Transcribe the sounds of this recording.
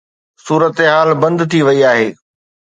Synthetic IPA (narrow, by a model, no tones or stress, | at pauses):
suːɾət̪ɦaːlbɐ̃nd̪t̪ʰiʋɐiaːɦeː